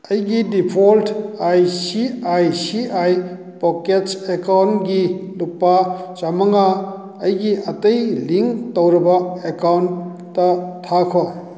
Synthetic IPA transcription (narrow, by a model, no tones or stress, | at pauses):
ɐjɡidipʰoltʰajsiajsiaj | poketsekawntɡilupːat͡ʃamɐŋa | ɐjɡiʔɐtɐjliŋktowɾɐbɐekawntː | ɐtʰːakʰwa